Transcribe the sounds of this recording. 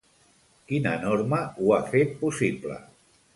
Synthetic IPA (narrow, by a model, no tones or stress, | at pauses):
kinə̰noɾməuafet̪̚pusiplə̰